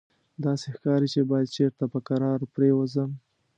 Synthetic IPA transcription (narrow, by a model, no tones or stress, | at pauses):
d̪ɑsexkɑɾit͡ʃebɑjad̪̚t͡ʃeɾt̪apəkaɾɑɾpɾewəzəm